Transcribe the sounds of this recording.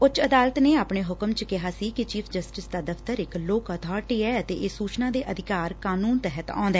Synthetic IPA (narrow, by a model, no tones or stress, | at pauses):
ʊt͡ʃəd̪aːlət̪neːaːpɳeːɦʊkəmt͡ʃəkɪɦaːsiːkɪt͡ʃiːpʰd͡ʒəsʈɪsd̪aːd̪əpʰt̪əɾɪkloːkət̪ʰaːɾʈiːɛːət̪ḛːʔeːsuːt͡ʃnãːd̪eːʔəd̪ʱɪkaːɾkaːnuːnt̪ɛɦət̪ã̰ːnd̪aɛː